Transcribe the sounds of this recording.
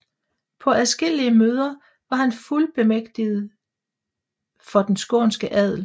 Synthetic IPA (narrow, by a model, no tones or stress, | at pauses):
pʰɒ̽ʔæðˠsɡ̥e̝l̰iəmøːð̞ˠɐ | ʋɑ̈ɦænfulb̥e̝meɡ̥̚d̥ið̩ˠ | fɒ̽d̥ensɡ̥ɔːnsɡ̥əʔɛð̞̰ˠl̩